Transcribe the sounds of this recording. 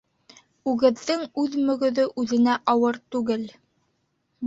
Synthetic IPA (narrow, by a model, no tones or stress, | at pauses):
ʉɡɘ̆ðːɘŋʉðmɵ̆ɡɵ̆ðɵʔʉðɘ̆næʔɑwɤɾt̪ʉɡɘl